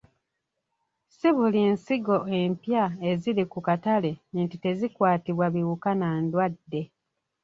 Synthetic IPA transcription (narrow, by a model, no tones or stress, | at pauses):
siβulinsiɡo̞e̞mpjae̞zilikukatale̞ntite̞zikwaːtiβwaβiwukanandwadːe̞